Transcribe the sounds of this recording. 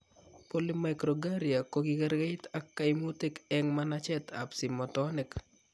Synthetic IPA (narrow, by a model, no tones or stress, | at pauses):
polimajkɾɔɡaɾjakokikɛɾɡaɪt̪akːajmutekɛŋmanat͡ʃɛt̪ʰa̰psimɔtɔnɪk